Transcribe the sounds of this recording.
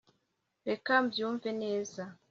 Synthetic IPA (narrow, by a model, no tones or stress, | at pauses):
ɾekambjuːɱve̞ne̞ːza